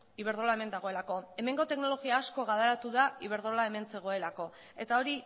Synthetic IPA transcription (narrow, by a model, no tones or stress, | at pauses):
iβe̞ɾð̞o̞lae̞me̞nd̪aɣ̞o̞e̞lako̞e̞me̞ŋɡo̞t̪e̞kno̞lo̞ɣ̞iaːsko̞ɣað̞eɾat̪uðaiβ̞e̞ɾð̞o̞lae̞me̞nse̞ɣ̞o̞e̞lako̞ | e̞t̪ao̞ɾi